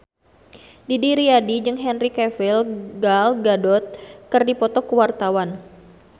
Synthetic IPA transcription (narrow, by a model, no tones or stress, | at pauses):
didiɾiadid͡ʒɨŋɦɛnrikɛfilɡalɡadɔt̪̚kɨrdipɔt̪ɔkəwart̪awan